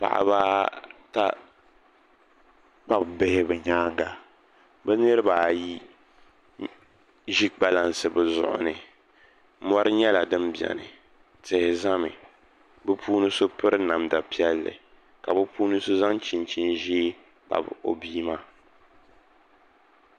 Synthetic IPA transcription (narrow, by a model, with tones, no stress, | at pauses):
pa̰˨ʔa̰˨baː˦ta˦ | k͡pa˦bbɪ˦hɪ˦bɛ˨ɲaː˦ŋ˦ɡa˨ | bɛ˦nɨ˦ɾɨ˦baː˨ji˦ | ʒi˦ɡ͡ba˦la˨nsɨ˨bɛ˨zʊ̰˨ʔʊ̰˨nɨ˨ | mɔ˦ɾɨ˦ɲɛ˦la˨dɨ˦mbɛ̰˨nɨ̰˨ | tɪ˨hɪ˨za˦mɨ̰˨ | bɨ˦pʰuː˦nɨ˦so˦pɨ˦ɾɨ˦na˨mda˨pi˦ɛ˦lːɨ̰˨ | ka˨bɨ˦pʰuː˦nɨ˦so˦za˦ŋt͡ʃi˨nt͡ʃi˦nʒi˦ | k͡pa̰˨bo̰˨biː˦ma˦